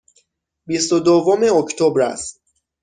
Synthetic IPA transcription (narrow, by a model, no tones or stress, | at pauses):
bist̪od̪ovomeocʰt̪ʰobɾæ̰st̪